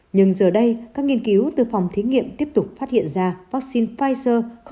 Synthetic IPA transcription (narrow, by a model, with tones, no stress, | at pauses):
ɲɨ˧ŋzəː˨˩ɗə˧jkaː˦˥k̚ŋi˧ənki˨˦wt̪ɨ˨˩fa˨˩wŋ͡mt̪ʰi˨˦ŋḭ˧˨əmt̪i˦˥əp̚t̪ʊ˨˩k͡p̚faː˦˥t̚hḭ˧˨ənzaː˧va˦˥k̚si˧nfaː˧jzəː˧x